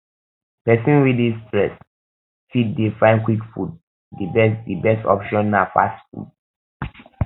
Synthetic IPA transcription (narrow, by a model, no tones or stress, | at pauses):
pɛsĩnwidistɹɛs | fit̚defãɪ̃nkwikfud̚ | dibɛsdibɛstɔ̰pʃɔ̃nːafa̰stfṵd